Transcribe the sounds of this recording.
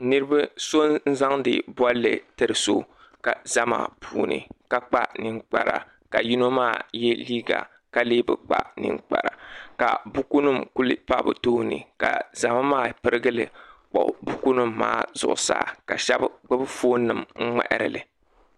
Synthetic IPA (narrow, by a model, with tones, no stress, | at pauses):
nɨ˦ɾɨ˦ba˦so˦nn̩˦za˦ŋdɨ̰˨bɔ˦lːɨ˨tɨ˦˨ɾɨ˨so˦ | ka˨za˦ma̰˨pʰuː˨nɨ̰˨ka˦k͡pa˦nɨ˦ŋk͡pa˨ɾa̰˨ | ka˨ji˦no˦maː˦˨jɛ˦liː˦ɡa̰˨ | ka˦leː˦bɨ˨k͡pa̰˦nɨ̰˦ŋk͡pa˨ɾa˨ka˨bu˦ku˦nɨ˦mku˦lɨ˦pa˦˨bɨ̰˨to˦nɨ̰˨ka˨za˨ma˦maː˦˨pɨ˦ɾɨ˦ɡɨ˦lɨ˨k͡pɔ̰˨bu˦ku˦nɨ˦mːa̰ː˦z̥ʊ̰˨ʔʊ̰˨sa̰ː˦˨ka˨ʃɛ˦bɡ͡bɨ˦bɨ˦foː˦nɨ˨mŋ͡m̩˦ŋ͡mɛ̰˨ʔɪ˨ɾɨ̰˨lɨ˨